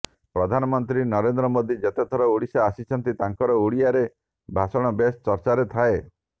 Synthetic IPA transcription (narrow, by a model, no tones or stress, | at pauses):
pɾɔd̪ʱanɔmɔnt̪ɾinɔɾend̪ɾɔmod̪ʱid͡ʒet̪et̪ʰɔɾɔuɽisaːsit͡ʃʰɔnt̪it̪aŋkɔɾɔuɽiaɾe | bʱasɔɽ̃ɔbest͡ʃɔɾt͡ʃaɾet̪ʰae